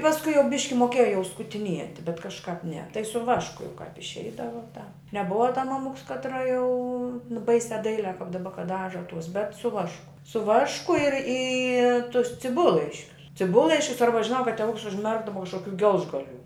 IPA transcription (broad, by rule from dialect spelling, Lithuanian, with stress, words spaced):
pɐsˈkʊɪ jɛʊ ˈbʲɪʃʲkʲɪ moːˈkʲeːjɛ jɛʊ skʊtʲɪˈnʲiɛtʲɪ bʲɛt kɐʃˈkɑːp nʲɛ tɐɪ sʊ ˈʋɑːʃkʊ jɛʊ kɑːp ɪʃʲˈɛɪdɐʋoː tɑː nʲɛˈbʊʋɐ tɐ mɐˈmʊks kɐˈtrɐ jɛʊ ˈbɐɪsʲæː ˈdɐɪlʲæː kɐp dɐˈbɐ kɐt ˈdɑːʒɐ tuɔs bʲɛt sʊ ˈʋɑːʃkʊ sʊ ˈʋɑːʃkʊ ɪr iː tʊs t͡sʲɪˈbʊlˠlˠɐɪʃʲkʲʊs t͡sʲɪˈbʊlˠlˠɐɪʃʲkʲʊs ˈɐrbɐ ʒʲɪˈnɐʊ kɐt tʲɛˈʋʊks ʊʒʲˈmʲɛrɡdɐʋɐ kɐʃkoːˈkʲuː ˈɡʲɛlˠʒɡɐˌlʲuː